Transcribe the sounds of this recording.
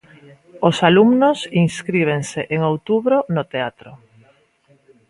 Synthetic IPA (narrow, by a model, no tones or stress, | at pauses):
osalumnosiŋskɾiβ̞eŋseʔeŋowt̪uβɾonot̪eat̪ɾo